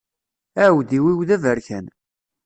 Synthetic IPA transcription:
æwðiwiwðævəɾçæn

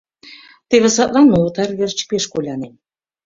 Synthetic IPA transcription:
t̪eβɘ̆sɑt̪lɑnːolɤ̆t̪ɑrβʲert͡ɕə̥̆peʃkolʲɑnen

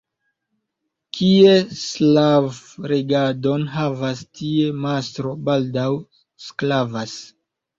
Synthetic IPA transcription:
kʰieslavɾeɡado̞nɦavastʰiemastɾo̞baldaw | sklavas

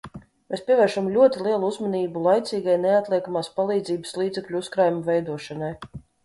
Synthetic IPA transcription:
meːspʲiɛvʲɛːɾʃamlʲuɔt̪ilˠiɛlˠuuzmɔniːbulˠajt̪siːɡajneat̪lʲˠiɛkamaːspalˠiːd̪ziːbə̥slˠiːd̪zɛklʲuuskɾaːjumuvɛjd̪uɔʃanaj

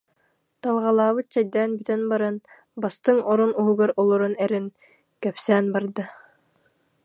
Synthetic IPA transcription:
t̪ɑlˠʁɑlˠɑːβɯt̪̚t͡ɕɛjd̪ɛːnbyt̪ɛnbaɾan | bast̪ɯŋɔɾunuɦuɡaɾɔlˠɔɾunɛɾɘn | kɛpsæːnbɑɾd̪ɯ

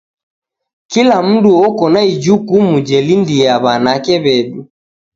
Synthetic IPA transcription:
kilam̩duɔkɔnaid͡ʒukumud͡ʒɛlindiaβanakɛβɛɗu

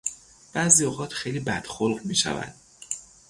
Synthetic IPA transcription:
b̥æziːoːɣɒːt̪ʰxe̞jliːbæd̪̥xolɢmiːʃæ̰væ̰nd̪̥̚

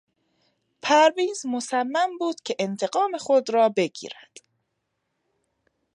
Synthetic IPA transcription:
pʰæɾviːzmosæmːæmbuːd̪̥cʰe̞ʔent̪ʰe̞ɡɒːme̞xod̪ɾɒːbe̞ɡḭːɾæd̪̥

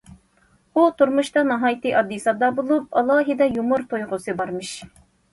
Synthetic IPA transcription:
ut̪ʰuɾmuʃt̪ɑnɑɦɑːjt̪ɨʔɑd̪ːisɑd̪ɑbolˠup̚ɑlˠɑːɦɨd̪ɛjumuɾt̪ʰojʁʊsɨbɑɾmɨʃ

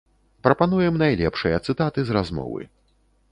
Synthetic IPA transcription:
pɾɐpanujɛmnajlʲɛpʂɨjɐt̪sɨt̪at̪ɨzɾazmɔ̰vɨ̰

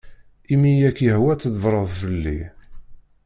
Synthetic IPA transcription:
imijækːjəhwæt͡sːðvɾˤəðˤfəlːḭ

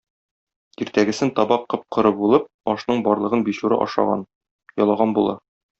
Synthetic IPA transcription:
iɾt̪æɡɘ̆sɘnt̪ɒbɑqːɤ̆p̚qʰɤ̆ɾɤbulˠɤp̚ɒʃnɤɴbɒɾlˠɤ̆ʁɤnbiɕuɾɤ̰ʔɒ̰ʃɑ̰ʁɑ̰n | jɒlˠɑʁɑnbulˠɑ

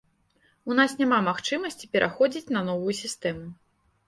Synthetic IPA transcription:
unasnʲamamaxt͡ʂɨmɐsʲt͡sʲipʲɛɾʔaxɔd͡zʲit͡sʲnɐnɔvujusʲist̪ɛmu

